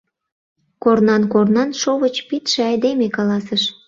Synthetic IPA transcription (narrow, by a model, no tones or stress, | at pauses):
kornɑnkornɑnʃoβət͡ɕpit̪ʃeɑjd̪emekɑlɑsəʃ